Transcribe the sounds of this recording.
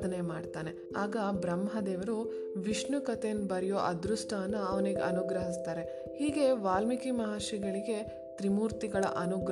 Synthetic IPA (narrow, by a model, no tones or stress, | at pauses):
ɐnemaːɖt̪aːne̞ | aːɡɐbɾɐmɦɐd̪eːʋɐɾu | ʋiʂɳnukɐt̪enbɐɾijoːʔɐd̪ɾusʈaːnːɐɐʋɐneɡḛɐnuɡɾɐɦist̪aːɾe̞ | hiːɡe̞ʋaːlmikimɐɦaːʃiɡɐɭiɡe̞ | t̪ɾimuːɾt̪iɡɐɭɐ̰ʔɐnuɡɾ